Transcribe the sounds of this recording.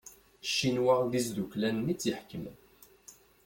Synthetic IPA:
ʃːinwaʁðizd̪uklænːit͡sːjiħkːəmn

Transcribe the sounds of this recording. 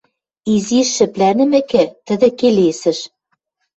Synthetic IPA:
iziʃːɘ̆plænɘ̆mɘ̆kɘ̆t̪ə̆d̪ɘ̆kelesɘ̆ʃ

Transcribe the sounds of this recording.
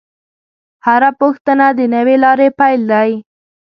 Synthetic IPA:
haɾapoxt̪ənad̪ənəwelɑɾepajld̪aj

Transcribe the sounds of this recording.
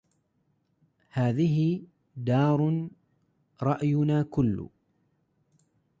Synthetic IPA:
haːðɪɦɪ | d̪ɑːɾˤʊ | ɾˤɑʔjʊnaːkʊlːʊ̰

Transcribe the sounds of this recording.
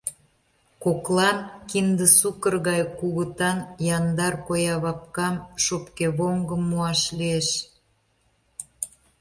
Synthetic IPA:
koklɑnkind̪əsukərɣɑjkuɣət̪ɑnjɑnd̪ɑrkojɑβɑp̚kɑmʃopkeβoŋɡəmːuɑʃlieʃ

